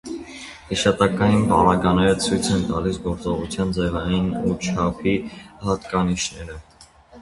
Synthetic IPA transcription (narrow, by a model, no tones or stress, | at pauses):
hiʃɑt̪ɑkɑjinpɑ̰ɾɑɡɑnɛɾət͡sʰujt͡sʰɛnt̪ɑ̰lisɡɔɾt͡sɔʁut͡sʰjɑnd͡zɛvɑjinut͡ʃʰɑpʰihɑt̪kɑniʃnɛɾə